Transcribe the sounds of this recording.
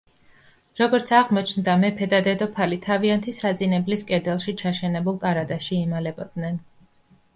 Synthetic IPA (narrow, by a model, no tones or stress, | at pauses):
ɾɔɡɔɾt̪sʰaʁmɔt͡ʃʰnd̪amɛpʰɛd̪ad̪ɛd̪ɔpʰalit̪ʰaviant̪ʰisad̪zʼinɛbliskʼɛd̪ɛlˠʃit͡ʃʰaʃɛnɛbulˠkʼaɾad̪aʃiːmalɛbɔd̪̥nɛn